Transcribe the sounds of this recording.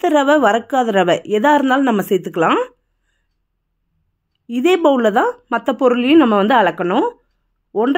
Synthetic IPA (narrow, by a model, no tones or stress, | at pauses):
t̪ːɯɾɐʋɐʋɐɾɐkːaːðɐɾɐʋɐʔɛðaːɾɯnd̪aːlnɐmːɐsɛjt̪ːɯkːɐɭãː | ɪðeːbɐlːɐt̪ãːmɐt̪ːɐpɔɾɯlɪjʊ̃nɐmːɐʋɐnd̪ɯɐɭɐkːɐɳʊ̃ | ɔndr